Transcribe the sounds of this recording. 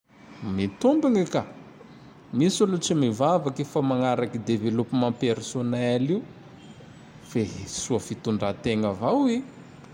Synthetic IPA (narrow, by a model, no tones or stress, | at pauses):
mit̪umbiŋika | misuluʈ͡ʂimivavakifamaŋaɾakid̪evelupumampeɾsoneliu | fesuafit̪uɳɖ͡ʐat̪eŋəvawi